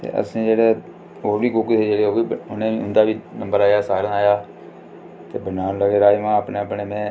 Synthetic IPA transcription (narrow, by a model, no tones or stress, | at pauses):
t̪ḛːʔə̰sĩːd͡ʒeːɽeː | oːɾʋiːkʊkd̪eːd͡ʒeːɽeːoːiːʊnẽːʊnd̪aːʋiːnəmbəɾaːjaːsaːɾãːaːjaː | t̪eːbənaːnləɡeːɾaːiʋãːəpneːəpneːmɛ̃ː